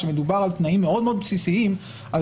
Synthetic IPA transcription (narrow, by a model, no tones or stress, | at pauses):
ʃeme̞d̪ubaʁalt̪naimːe̞o̞d̪meod̪psisiim | a